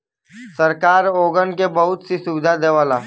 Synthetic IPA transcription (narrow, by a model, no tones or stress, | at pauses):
sɐɾkaːɾoːɡənkebɐɦʊt̪sisʊbɪd̪ʱad̪eːʋaːlaː